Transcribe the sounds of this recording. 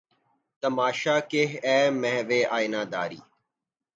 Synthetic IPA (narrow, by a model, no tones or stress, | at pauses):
t̪əmaːʃaːkeɦɛːmɛɦʋeːʔaːinaːd̪a̰ːɾḭː